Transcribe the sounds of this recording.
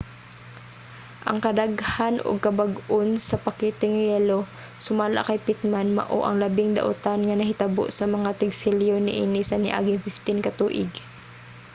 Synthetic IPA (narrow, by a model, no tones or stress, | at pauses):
ʔɐ̰ŋkɐd̪aɡhanʔo̰ɡ̚kɐbaɡonsɐpɐkɛːt̪ɛŋjɛlo | sʊmaːla̰kɐjpɪt̪̚manmɐ̰ʔo̰ʔɐŋlɐbɪŋd̪ɐ̰ʔʊ̰t̪anŋɐnɐɦɪt̪ɐbo̰ʔsɐmɐŋat̪ɪɡsɪljonɪʔiːnɪsɐnɪ̰ʔa̰ːɡɪŋfɪft̪ɪnkɐt̪uːʔɪ̰ɡ